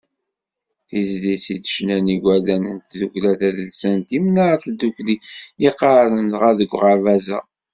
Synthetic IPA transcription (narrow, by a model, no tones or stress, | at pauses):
θizlisid̪ə̥ʃnæniɡʷælænənt̪ðuklæðæðəlsænt̪imnaθd̪ːukliiqɑɾənʁaðəɡʷːʁəvæzæ̰